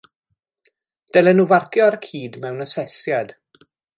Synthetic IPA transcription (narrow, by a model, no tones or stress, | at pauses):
d̥ɛlˠɛnuvarkjɔaɾkʰiːdmɛwnəsɛsjad̥